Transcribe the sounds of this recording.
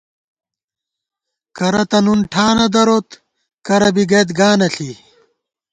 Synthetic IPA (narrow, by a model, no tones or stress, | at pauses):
kɐɾɐt̪ɐnunʈʰaːnɐd̪ɐɾot̪ | kɐɾɐbiɡeːt̪ɡaːnɐɬi